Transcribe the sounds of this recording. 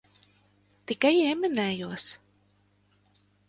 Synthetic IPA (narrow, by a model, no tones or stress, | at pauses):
t̪ikajeminæːjuɔs